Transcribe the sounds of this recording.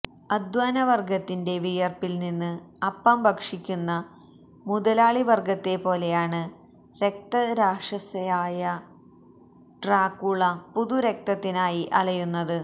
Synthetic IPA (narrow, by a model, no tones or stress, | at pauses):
ɐd̪ʋaːnɐʋɐrɡɐt̪ːinde̞ʋijɐrpilninːɨɐpːɐmbʱɐkʂikʲːunːɐ | muðɐlaːɭiʋɐrɡɐt̪ːe̞po̞ːle̞jaːɳɨ | ɾe̞kt̪ɐɾaːʂɐsɐjaːjɐ | ɖraːkːuɭɐpuðuɾe̞k̚t̪ɐt̪ːinaːjiʔɐlɐjunːɐðɨ